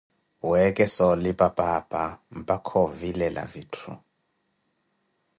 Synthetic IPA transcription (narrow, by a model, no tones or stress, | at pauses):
wɛkʼɛsɔlipʼapʼapʼam̩pʼakʰɔvilɛla̰vitʰṵ